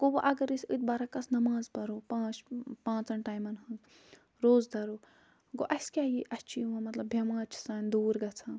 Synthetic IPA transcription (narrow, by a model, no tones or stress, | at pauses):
kobɐʔɐɡɐɾɨsʲɨt̪̚bɐɾakɐsnɐmãːzpɐɾoːpãːt͡ʃpãːt͡sɐnʈaːjmɐnɦɨ̃ | ɾoːzd̪ɐɾoː | ɡoʔɐskʲaːjiʔɐt͡ʃʰijuɐ̃mɐt̪lɐbbʱjɐmãːt͡ʃʰi̥saːnʲd̪uːɾɡɐt͡sʰãː